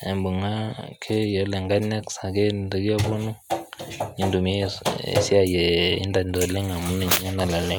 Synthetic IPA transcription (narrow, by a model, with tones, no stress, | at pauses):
e˨mbu˨ŋa˦kʰe˦jo˨le˨ŋɡa˦nɛ˦ksa˨ɡe˦də˨ɡi˦a˦bu˦nu˦ | ɲi˨ndu˨mḛ˦˨si˦a˨je˨ḭ˦nda˨ndo˨le˦ŋa˨mu˦n˨ɲa˦na˨la˨lɛ˦